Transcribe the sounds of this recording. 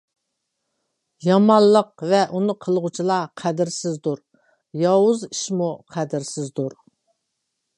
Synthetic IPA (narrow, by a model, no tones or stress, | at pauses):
jɑmɑnlˠːəq̚vɛʔunɨqʰəlˠʁut͡ʃʰilˠɑqʰæd̪ɪɾsɪzd̪uɾ | jɑwʊziʃmuqʰæd̪ɪɾsɪzd̪uɾ